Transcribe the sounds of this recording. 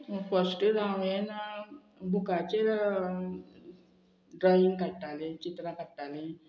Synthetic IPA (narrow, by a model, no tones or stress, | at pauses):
fəsʈɾãʋen | bʱukat͡ɕe | ɖɾɔjiŋɡkaɽʈalet͡ɕit̪ɾakaɽʈale